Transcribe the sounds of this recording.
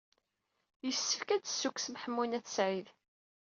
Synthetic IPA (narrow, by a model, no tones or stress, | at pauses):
jəsːəfkædə̥sːuksmħəmːunæθə̥sʕið